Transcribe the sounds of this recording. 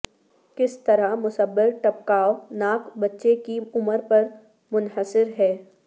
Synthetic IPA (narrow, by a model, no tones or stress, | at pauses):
kɪst̪ɐɾamʊsəbːɪɾʈɐp̚kaːonaːkbɐtːʃekiʊməɾpɐɾ | mʊnɦəsɪɾɦɛː